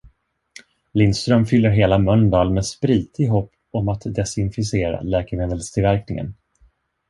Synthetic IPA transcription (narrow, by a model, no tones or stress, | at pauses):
lɪnst̪ɾœmfʏlːəɾɦeːlamœnd̪ɑːlmɛspɾiːt̪ʰɪɡɦɔpː | ɔmat̪d̪ɛsɪnfɪseːɾa̰lɛːkəmeːd̪əlst̪ʰɪlvæɾknɪŋə̰n